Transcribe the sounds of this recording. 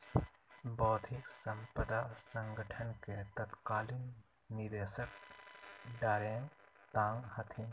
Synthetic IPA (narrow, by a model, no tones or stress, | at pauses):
bɔːt̪ʰiksə̃mpəd̪asə̃ŋɡəʈʰənket̪ət̪kaːlinː | id̪eːsək̚ | ɖaːɾẽːŋt̪ãːŋɡhɐt̪ʰin